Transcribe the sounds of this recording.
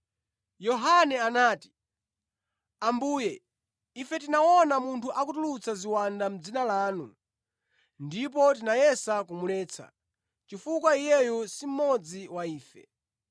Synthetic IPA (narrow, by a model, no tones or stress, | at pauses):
jɔɦanɛanaːti̥ | ambuːjɛ | ifɛtinawɔnamuntʰuʔakutulut͡saziwandam̩d͡zinalaːnu | ndip̬ɔt̬inajɛsakumulɛːt͡sʰa̰ | t͡ʃifukwaijɛjɔsim̩mɔd͡ziwaiːfɛ̰